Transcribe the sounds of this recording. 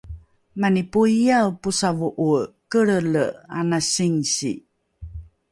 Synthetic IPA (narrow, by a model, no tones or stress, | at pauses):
manipuijawpusavuʔukəɭəla̰nasiŋsḭ